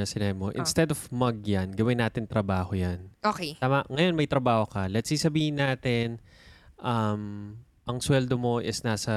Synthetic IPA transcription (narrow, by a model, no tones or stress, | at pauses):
ɐsɪnaːbɪmoʔɪ̰nst̪ɛd̪ofmɐɡ̚janɡɐwɪnːaːt̪ɪnt̪ɾɐbaːhojanoːketaːmɐŋɐjo̞nmɐjt̪ɾɐbaːho̞kɐlɐt̪sisɐbiːhɪnːaːt̪ɪn | ʔɐm | ʔɐŋswɛld̪omo̞ʔɪsnaːsɐ